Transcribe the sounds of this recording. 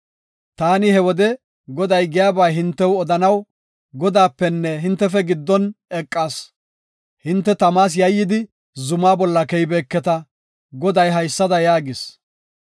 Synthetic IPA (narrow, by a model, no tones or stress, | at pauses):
t̪aːnɪhɛwɔd̪ɛ | ɡɔd̪ɐjɡɪjaːbaːɦɪnt̪ːɛwɔd̪ɐnɐw | ɡɔd̪aːpːɛnːɛɦɪnt̪ːɛfɛɡɪd̪ːɔnɛkʼːaːs | hɪnt̪ːɛt̪ɐmaːs̬jɐjːɪd̪ɪ | zʊmaːbɔlːɐkɛjbeːkːɛt̪ɐ | ɡɔd̪ɐjɦɐjsːɐd̪ɐjaːɡɪs